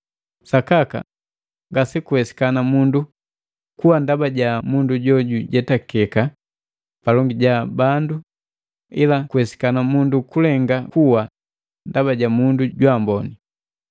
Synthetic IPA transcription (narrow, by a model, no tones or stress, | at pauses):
sakaka̰ | ŋɡasikuwɛsi̥kanamundu | kuwandabaɟamunduɟɔɟuɟɛtakɛka | palɔŋɡiɟabandu | ilakuhɛsi̥kanamundukulɛŋɡakuwa | ndabaɟamunduɟwambɔni